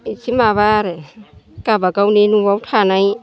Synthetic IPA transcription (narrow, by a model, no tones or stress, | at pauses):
isʰimaβaɾekabakawninuwawtʰanaj